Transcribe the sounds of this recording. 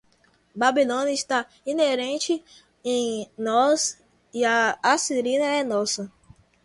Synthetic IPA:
babilõnɐist̪a | ineɾẽt͡ʃɪ | ẽj̃nɔs | iɐasiɾĩnɐɛnɔsɐ

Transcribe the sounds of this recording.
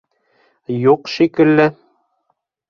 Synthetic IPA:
juqʃikɘ̆lːɘ

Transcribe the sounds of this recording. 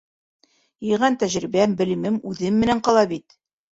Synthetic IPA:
jɤ̆jʁænt̪æʑɾibæmbɘ̆lɘ̆mɘmʉðɘmːɘ̆næɴqɑɒlˠɑbit̪

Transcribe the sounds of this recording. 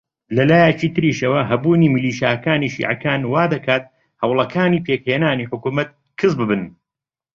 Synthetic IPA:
lɐlaːjɛt͡ʃiːt̪ɨɾiːʃɐwɐɦɐbuːniːmɨliːʃjaːkaːniːʃḭːʕɐ̰kaːnwaːd̪ɐkʰaːt̪̚ | hɐwlˠɐkʰaːniːpʰeːkheːnaːniːħʊkuːmɐt̪̚ | kʰɨzbɨbɨn

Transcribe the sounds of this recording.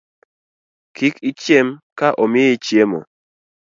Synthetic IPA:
kʰikit͡ʃjemkaʔɔmɪit͡ʃjemɔ̰

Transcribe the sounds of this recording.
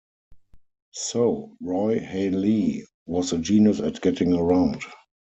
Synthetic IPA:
soʊɹɔɪhɛli | wɔsəd͡ʒiːnjəsætɡ̥ɛtɪ̃ŋəɹãʊ̃nd

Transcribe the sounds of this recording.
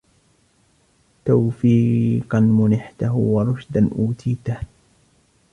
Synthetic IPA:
t̪awfiːqɑnmʊnɪħt̪aɦwɑɾˤʊʃd̪anʔuːt̪ʰiːt̪ah

